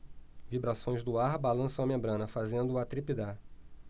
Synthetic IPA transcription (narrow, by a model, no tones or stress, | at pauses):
vibɾasõj̃zd̪ʊaɾbalɐ̃sɐ̃w̃ɐmẽmbɾɐ̃nɐfazẽnd̪ʊat̪ɾipid̪aɾ